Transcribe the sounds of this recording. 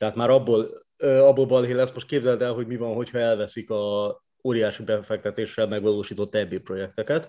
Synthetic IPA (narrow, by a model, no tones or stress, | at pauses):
t̪ɛɦaːt̪maːɾɒbːoːl | øɒbːolbɒlɦeːlɛst̪mo̞ʃt̪keːbzɛlt̪ɛlɦo̞ɟmivɒnɦo̞chɒɛlvɛsikɒ | oːɾijaːʃibɛfɛk̚t̪ɛt̪eːʃːɛlmɛɡvɒloːʃiːt̪o̞t̪ːɛbːeːpro̞jɛk̚t̪ɛkɛt̪